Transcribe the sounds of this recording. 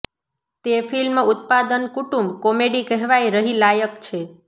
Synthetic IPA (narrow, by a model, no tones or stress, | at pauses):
t̪efilmʊt̪̚pad̪ənkuʈũmbkɔmeɖikɛɦʋajɾəɦilajəkt͡ʃʰe